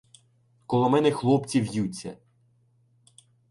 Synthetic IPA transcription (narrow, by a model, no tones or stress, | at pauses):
kɔlˠɔmɛnɛxlˠɔpt͡sʲiwjut͡sʲːɐ̰